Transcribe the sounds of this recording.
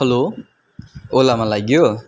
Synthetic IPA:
lo | olamalaɡijo

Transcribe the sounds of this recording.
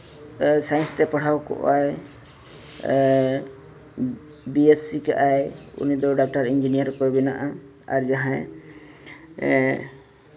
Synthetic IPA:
sajnst̪ɛpaɽ̤awkɔ̰ʔaj | biesikaʔajṵnid̪ɔɖak̚ʈaɾind͡ʒinijaɾkɔbɛnaʔa | a̰ɾd͡ʒaɦã

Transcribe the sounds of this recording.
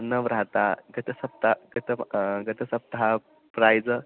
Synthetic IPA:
nəʋɾat̪aɡət̪əsəbt̪aɡət̪əɡət̪əsəb̚d̪ʱa | pɾajd͡zə

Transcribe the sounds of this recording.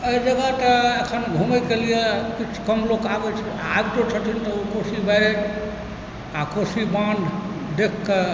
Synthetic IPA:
əid͡ʒəɡat̪əəkʰənɡʱuməjkelijekit͡ʃʰkəmlokaɡɛt͡ʃʰ | aɡt̪ot͡ʃʰət̪ʰint̪ɔukosibɛj | akosibãnd̪ | d̪ekʰːe

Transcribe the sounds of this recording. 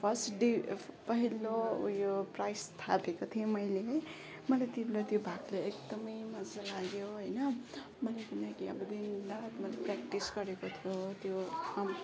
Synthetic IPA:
pʰʌsʈɖipʌɦilːo̰joprajst̪ʰapekot̪ʰijomʌjleɦʌj | mʌlat̪ilot̪jobʱakleekd̪ʌmʌjmʌd͡zalaɡjoɦʌjnʌ | mʌlekunakiʌ̰bʌd̪ind̪at̪mʌleprakʈisɡʌɾekot̪ʰijot̪joʌm

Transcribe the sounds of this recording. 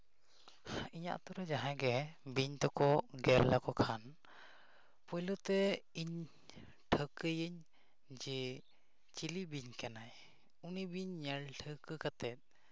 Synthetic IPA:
iɲa̰ʔt̪ɔɾɛd͡ʒaɦãɡɛbiɲt̪ɔkɔɡɛɾlakɔkʰan | pɔjlɔt̪ɛiɲ | ʈʰəkəjəɲ | d͡ʒɛ | t͡ʃilibiɲkanaj | unibiɲːɛlʈʰəkəkat̪ɛt̪̚

